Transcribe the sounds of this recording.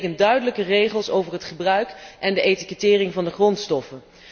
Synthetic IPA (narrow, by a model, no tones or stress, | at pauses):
kəndœɥdələkərejχəlˠsowvərɦətχəbrœɥkʔɛndəʔejtikətɪːrɪŋvɑndəχrɔntstɔfən